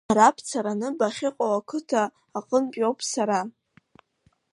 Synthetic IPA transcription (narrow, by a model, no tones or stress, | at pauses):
aɾapʰt͡sʰaɾanɨbaχʲɪqʼowakʰɨtʰaː | qʼənpʼjowpʰsaɾa